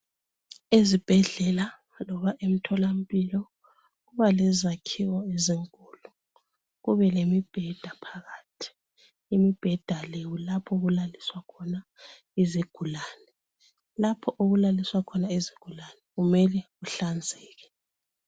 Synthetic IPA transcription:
ezib̥ʱɛɮɛla | lɔβaʔem̩tʰɔlam̩pʼilɔ | ɣuβalɛzakʰiwɔeziŋkʼuːlu | ɣuβɛlemib̥ʱɛd̥ʱapʰaɣaːtʰi̥ | imib̥ʱɛd̥ʱalewulapʰɔɣulaliswakʰɔna | iziɡ̥ʱulaːnɛ | lapʰɔʔoɣulaliswakʰɔnaiziɡ̥ʱulanɛɣumɛlɛɣuɬand͡zʱɛːɣɛ

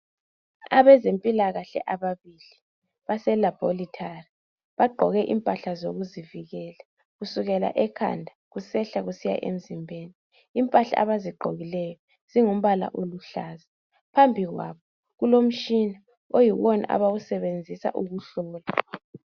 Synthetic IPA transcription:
a̰βɛzempʼilaɣaɬɛ̰ʔaβaβili | βasɛlab̥ʱolitʰari | βaɡ͡ǃʱɔɣɛʔḭmpʼaɬazoɣuziviɣɛːla | ɣusuɣɛla̰ʔɛkʰa̰ndʱaɣusɛɬaɣusija̰ʔḛm̩zimbʱeːniː | mpʼaɬa̰aβaziɡ͡ǃʱo̰ɣilɛjɔ | z̥iŋum̩βala̰ʔoluɬaːza | pʰambʱiɣwaβɔ | ɣulom̩t͡ʃʼina | ojiwɔna̰ʔa̰βaɣusɛβend͡zʱisa̰ʔuɣuɬɔːla

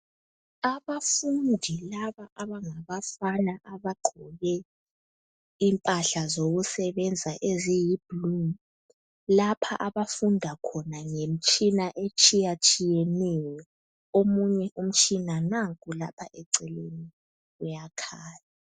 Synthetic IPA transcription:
aβafundʱilaβaʔaβaŋaβafanaʔaβaɡ͡ǃʱɔɣɛ | impʼaɬazoɣusɛβɛnd͡zʱaʔezɛjib̥lum | lapʰa̰ʔaβafundʱakʰɔnaŋem̩t͡ʃʼinaʔet͡ʃʼijat͡ʃʼijɛnɛjɔ | omuɲɛʔum̩t͡ʃʼinanakʼulapʰaʔɛǀɛleni | ujakʰaːja

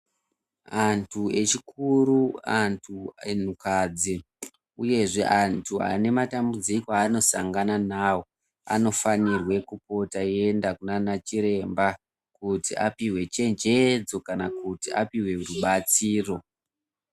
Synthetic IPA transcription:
antʰue̞t͡ʃikʰuɾuantʰuen̤ukad͡zi | uje̞ʐe̞ʔantʰua̰ne̞matambud͡zikoano̞saŋɡananaːwo̞ | a̰no̞fanirwe̞kupo̞taie̞ndakunanat͡ʃiɾe̞mba | kutiapiwe̞t͡ʃe̞nd͡ʒe̞d͡zo̞kanakutia̰piwe̞uruɓat͡siːro̞

